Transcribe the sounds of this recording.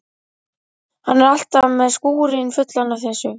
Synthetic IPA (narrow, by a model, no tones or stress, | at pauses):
hanːɛɾal̥t̪avmɛðskuːɾɪnfʏt̪lanavθɛsːʏ